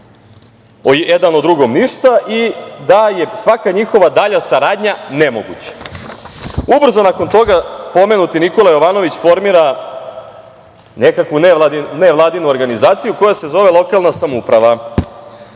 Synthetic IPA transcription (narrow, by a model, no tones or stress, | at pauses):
ojed̪anod̪ɾuɡo̞mniʃt̪aʔid̪aje̞sʋakaɲixo̞ʋad̪aʎasaɾaːd̪ɲane̞moɡṵt͡ɕḁ | ubr̩zo̞nako̞nt̪o̞ɡapo̞me̞nut̪iniko̞lˠajo̞ʋaːno̞ʋit͡ɕfo̞ɾmiːɾa | nekakʋunneʋlˠaːd̪inuoɾɡanizaːt̪sijuko̞jase̞zo̞ʋe̞lˠo̞kalˠnasamupɾaʋa